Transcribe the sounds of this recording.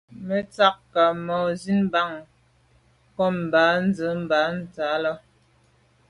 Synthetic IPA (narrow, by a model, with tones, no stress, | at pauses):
mə˨t͡sa˦kka˨mɔ˨zi˦nba˦˨ŋ | kɔ˦m̩˨ba˨˦n̩˦d͡zə˨˦m̩˦ba˨˦n̩˨t͡sa˨˦lɔ˦